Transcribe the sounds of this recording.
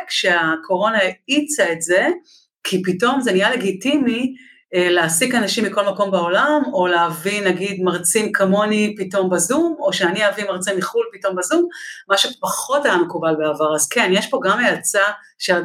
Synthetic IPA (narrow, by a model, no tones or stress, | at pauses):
kʃeakʰo̞ʁo̞naeit͡saetze̞ | kʰipito̞mzenijale̞ɡitimi | leasikanaʃimːiko̞lmako̞mbao̞lamo̞leavinaɡidmaʁt͡simkʰamo̞nipito̞mbazumo̞ʃeaniavimaʁt͡siniχulpito̞mbazumːaʃepaχo̞tajamekubalbeavaʁazkenjeʃpo̞ɡamejat͡sa | ʃe